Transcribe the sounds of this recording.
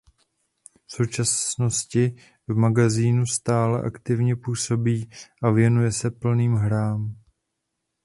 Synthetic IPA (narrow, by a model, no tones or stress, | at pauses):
fso̞wt͡ʃasno̞scɪ | vmaɡaziːnust̪aːlɛ̰ʔa̰kt̪ɪvɲɛpuːso̞biːʔavjɛnujɛsɛpl̩niːmɦɾaːm